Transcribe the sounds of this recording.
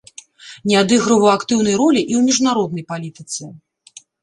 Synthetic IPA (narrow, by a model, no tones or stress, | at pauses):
nʲɛad̪ɨɣɾɐvɐwakt̪ɨwn̪ɐjɾɔlʲiʔiwmʲiʐnaɾɔd̪̚nɐjpalʲit̪ɨt̪sɛ